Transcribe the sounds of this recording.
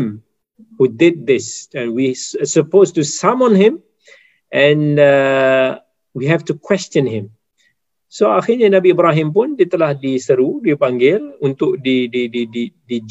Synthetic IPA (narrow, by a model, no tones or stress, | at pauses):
m | hudɪd̪̚ːɪsɛ̃nwisəpostusamɔ̃nɦɪ̃m | ʔɛ̃nə | wiɦɛftukwɛst͡ʃə̃nɦɪ̃m | soaxɪɾɲanabiːbɾaɦɪ̃mp̬ʊndiət̪əlahdisəɾudipaŋɡɪlunt̪ʊk̚dididididid͡ʒ